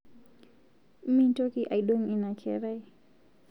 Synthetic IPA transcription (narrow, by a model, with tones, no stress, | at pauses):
m̩˦mi˦n˦tɔ˦ki˦ʔa˨i˨ɗɔ˦ŋi˨na˨kʰɛ̰˦ɾa˦i˦